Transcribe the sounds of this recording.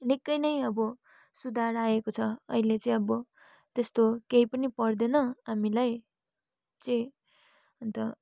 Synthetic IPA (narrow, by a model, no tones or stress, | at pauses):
nikːʌjnʌjʌbʌ | sud̪ʱaɾaekot͡sʰʌʌ̰ilet͡sʌĩʌbʌ | t̪est̪okejpʌnipʌrd̪enʌamilaj | t͡sʌĩ | ʌnt̪ʌ